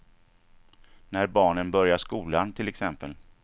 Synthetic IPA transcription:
næɾbɑːɳənbœɾjaʂkuːlant̪ʰɪlɛksɛmpəl

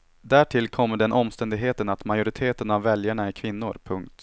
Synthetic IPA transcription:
d̪æːʈʰɪlkʰɔmːəɖɛnʔɔmːst̪ɛnd̪ɪɡɦeːt̪ənat̪majʊɾɪt̪ʰeːt̪ənavːɛljaɳaɪkʰvɪnːʊɾpʰɵŋkt̪

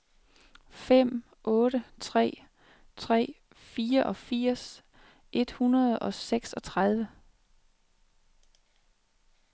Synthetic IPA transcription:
fem̰ | ʔɔ̽ːɾət͡sʰʁɛ̰ː | t͡sʰʁɛ̰ː | fiːɐʔɒ̽fiɐ̰s | ʔe̝d̥hunɐð̞ˠɒ̽seɡ̥sɒ̽t͡sʰʁað̞ˠʋə

